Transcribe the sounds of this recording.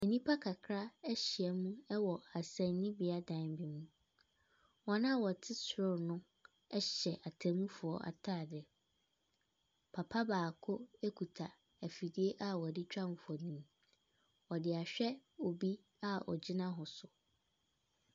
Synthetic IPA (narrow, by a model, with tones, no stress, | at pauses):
ɛ˨nĩ˦pʰa˦kʰa˨kʰɾa˦ɛ˦ɕɪ˨ɛ˨mũ˦ɛ˦wɔ˨a˨sɛ̃˨n˦nĩ˦bɪ˨a˦dã˨nbi˨mũ˦ | wɔ̃˦nã˦˨wɔ˨tʰɪ˦sɾʊ˦˨nʊ̃˦ | ɛ˦ɕɛ˨ʔa˨tʰæ̃˨mũ˦fʊ˨ɔ˨a̰˨tʰa˦˨dɛ˨ | pʰa˨pʰa˦baː˨kʰʊ˦e˦kʰu˨tʰa˨ | æ˨fi˨di˦e˦ʔa˦wɔ˨dɪ˦t͡ɕᶣã˦m˨fɔ˨nĩ˨m | ɔ˨dɪ˨a˨ɕᶣɛ˦o˨bi˦ | a˦˨ɔ̰˨d͡ʑɪ˦nã˦ɦʊ̃˨sʊ˨